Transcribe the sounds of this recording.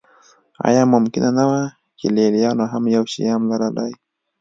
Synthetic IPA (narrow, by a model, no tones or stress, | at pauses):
a̰jamam̩kinanawa | kilɛlianwaɦamjauʃḭjam̩laɾadai